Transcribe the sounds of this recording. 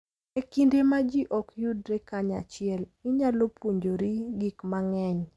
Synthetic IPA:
ekindemad͡ʒiʔɔkjudɾekaɲa̰t͡ʃɪɛlɪɲalopwoɲd͡ʒoɾiɡikmaŋɛɲ

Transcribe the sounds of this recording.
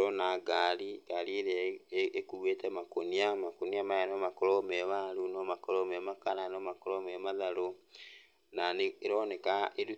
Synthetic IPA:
ɔnaɡaːliɡalieɾaekuɣeːtemakoniamakoniamajanomakolɔmeβalunomakɔlɔmemakaɾanomakolɔmemaðalo | naneeɾɔnekaedu

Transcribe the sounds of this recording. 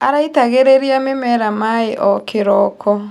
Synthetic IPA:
aɾaitaɣeɾeɾiamemɛɾamaeʔɔkeɾɔkʰɔ

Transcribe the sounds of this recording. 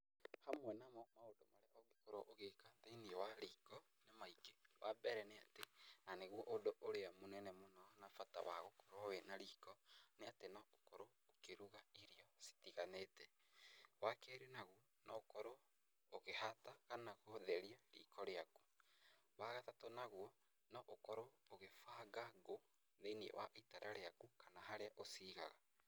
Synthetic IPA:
hamwɛnamɔmaodomaɾeʔɔɣekoɾoʔoɣekatainiwaɾikɔ | nemaikewʔabɛɾɛneatenaneɣwɔʔodoʔoɾeamonɛnɛmonɔnafata̰wa̰ɣokoɾoɔwenaɾiːkɔneatenɔokoɾo | okeɾuɣaiɾiɔsi̥tiɣanetɛ | wakɛɾenaɣwɔ | nɔokɔɾo | oɣehataɣanaɣoðɛɾiaɾḭkɔɾeaku̥ | waɣatatonaɣwɔ | nɔʔokɔɾooɣefaːɣaɣo | ðeiniɛ̰waʔitaɾʔaɾeakukanaɦaɾeaʔosiɣa̰ɣa

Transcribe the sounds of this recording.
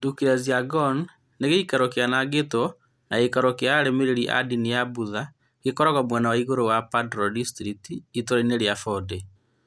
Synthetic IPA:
dukiɾaziaɡɔn | neɣeikaɾokeanaɡetɔ | naekaɾokeaɾemeɾeɾiʔa̰dinijabuða | ɣekɔɾaɣɔmwɛnawaiɣoɾowapadɾɔdistɾitiːtoɾaineɾjafɔde

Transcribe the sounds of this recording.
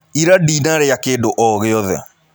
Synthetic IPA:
iɾadinaɾejakeːdoʔɔɣeɔðɛ̰

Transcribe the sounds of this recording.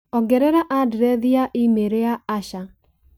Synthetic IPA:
ɔɡɛɾɛɾaʔadɾɛðiaʔɪmeɾeaaʃa

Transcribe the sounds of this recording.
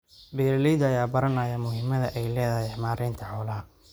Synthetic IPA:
bɛːɾlijd̪ɐjaːbɐɾɐnɐːjɐmʊɦɪmɐðɐʔɛjlɛːðɐɦjɛmaːɾʔɛːnt̪ʰɐħɔːlɐɦɐ

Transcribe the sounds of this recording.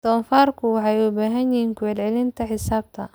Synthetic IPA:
d̪̥ɔːnfaːrkʰʊwɑħɑjʊbaːɦɐnjɪɦiːŋkʰʊʕɛd̪ʕɛlɪnt̪ʰɐħɪsaːb̚t̪ʰɐ

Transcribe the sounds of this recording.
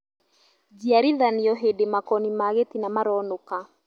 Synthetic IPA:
d͡ʒiaɾiðaniɔɦedemakɔnimaɣetinamaɾɔnoka

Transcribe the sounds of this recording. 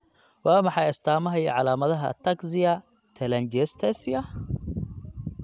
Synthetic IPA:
waːmɑħɑjɪst̪ʰaːmɐɦɐjɐ̰ʕɑlaːmɐðɐɦɐ̰t̪ʰːɐɡzɪɐ | t̪ʰɛlɐnd͡ʒɛst̪ʰɛsɪɐ

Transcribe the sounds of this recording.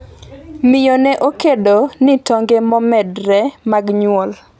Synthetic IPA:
mɪjonɛʔokedonɪtɔŋɡemɔmɛdɾɛmaɡɲʊwɔl

